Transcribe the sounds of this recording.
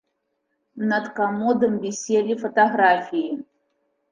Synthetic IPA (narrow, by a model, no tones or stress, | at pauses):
nɐt̪kamɔd̪ɨmbʲisʲelʲifɐt̪aɣɾafʲiji